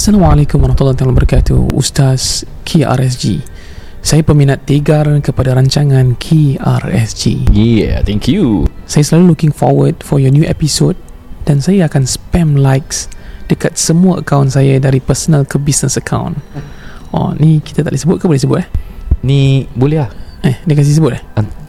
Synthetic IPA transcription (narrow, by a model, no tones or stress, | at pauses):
salamalɛkʊmwaɾɔt̪ulɔt̪alɔ̃bəɾikat̪ṵṵst̪as | kʰea̰ɾɛs̬d͡ʒḭ | sajapəmĩnãt̪ːeɡarkəpadaɾaɲt͡ʃaŋãnkʰea̰rɛ̰sd͡ʒḭjɛt̪ɛ̃ŋkʰjusajaslalulukɪ̃ŋfɔ̰wəd̚fɔjɔnjuʔɛ̰pisod̚ | d̥ansajaakãnspɛ̃mlajksd̥əkat̪̚səmuəʔə̰kãw̃nsajadaɾipəsənəlkəbisnəsəkʰã̰w̃n | ʔɔ̰nikit̪at̪a̰ʔisəbʊt̚kəbolɛhs̬əbʊt̚ahnibolɛahɛdəkas̬is̬əbʊt̚ah